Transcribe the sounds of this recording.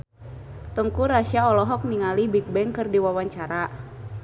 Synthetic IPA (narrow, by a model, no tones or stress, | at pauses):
t̪əŋkuɾasiaɔlɔɦɔk̚niŋalibik̚bɛŋkɨrdiwawaɲt͡ʃaɾa